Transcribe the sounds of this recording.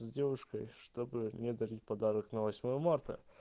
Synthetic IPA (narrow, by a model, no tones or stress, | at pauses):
zʲdʲevʊʂkəjʂt̪obɨnʲɪd̪ɐɾʲit̚ʲpɐd̪aɾəknɐvɐsʲmojəmart̪ə̰